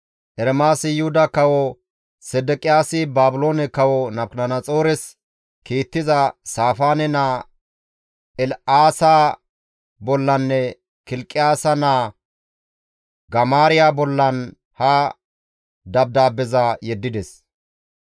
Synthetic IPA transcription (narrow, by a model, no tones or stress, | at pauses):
ʔɛɾɛmaːsɪjʊhʊd̪ɐkɐwɔ | sɛd̪ɛkʼɪjaːsɪbaːbʊloːnɛkɐwɔnɐplɐnɐt͡sʼo̞ːɾɛs | kiːt̪ːɪzɐsaːfaːnɛnaː | ɛlaːsa | bɔlːɐnːɛ | kɪlkʼːɪjaːsɐnaː | ɡɐmaːɾɪjabɔlːɐn | hɐ | d̪ɐb̚d̪aːbɛzɐjɛd̪ːɪd̪ɛs